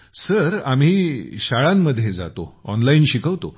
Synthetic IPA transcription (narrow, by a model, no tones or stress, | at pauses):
səɾam̤iːɕaɭamːəd̪ʱːjed͡za̰t̪oɔnlainɕikəʋt̪o̰